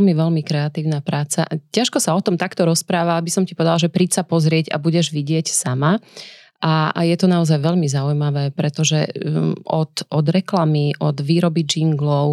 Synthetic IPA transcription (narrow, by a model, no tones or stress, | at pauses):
lmiʋɛlmikɾɛat̪iːʊnapɾaːt͡sa̰caʃkɔsaɔt̪ɔmt̪akt̪ɔɾɔspɾaːʋaabisɔmci̥pɔʋɛd̪alaʒɛpɾicsapɔzɾɪɛɟa̰buɟɛʒʋiɟɪɛcsama | ʔa̰jɛt̪ɔnaɔzajʋɛʎmizaujmaʋɛːpɾɛt̪ɔʒɛ | ɔt̪ɔd̪ɾɛklamiʔɔd̪ʋiːɾɔbid͡ʒiŋɡlɔʊ